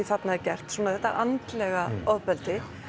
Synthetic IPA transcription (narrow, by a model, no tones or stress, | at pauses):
iθat̪naɛɾcɛr̥t̪sɔːnaðθɛht̪ːa̰ʔant̪lɛɣaɔðpɛlt̪ɪ